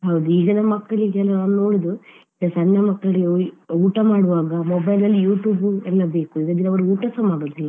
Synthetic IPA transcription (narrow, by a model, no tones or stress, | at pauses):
ɦɐwd̪uiːɡɐnemɐkːɐɭiɡɛlːɐnaːnuno̞ːɽid̪u | iɡ̪ɐsɐnːɐmɐkːɐɭiouːʈɐmaːɽuʋaːɡɐmɔbɐjlɐlːijuːʈuːbuɛlːɐbe̞ːkuiɡɐd̪inɐʋɐɽuuːʈɐsɐmaːɽoːd̪ilːɐ